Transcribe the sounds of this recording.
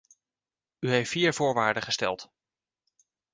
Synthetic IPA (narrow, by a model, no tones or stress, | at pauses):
yɦejftfiːɹv̥ʊːɹʋaːɹdəχəstɛ̰lˠt